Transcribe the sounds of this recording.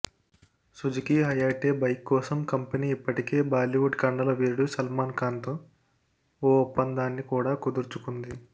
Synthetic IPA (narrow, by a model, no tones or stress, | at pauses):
sud͡ʒikiɦɐjaːʈeːbɐjkːɔːsɐmkɐmpɐniːipːɐʈike̞ːbaːliʋuɖkɐɳɖɐlɐʋiːɾuɽusɐlmaːnkaːnt̪oː | ɔːupːɐnd̪aːnːikuːɽaːkud̪uɾt͡ʃukund̪i